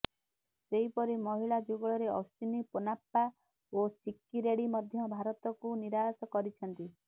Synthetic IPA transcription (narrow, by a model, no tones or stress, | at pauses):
seɦipɔɾimɔɦiɭad͡ʒuɡɔɭɔɾeɔ̰st͡ʃunipɔnapːa | osikːiɾeɽimɔd̪ʱjɔbʱaɾɔt̪ɔkuniɾasɔkɔɾit͡ʃʰɔnt̪i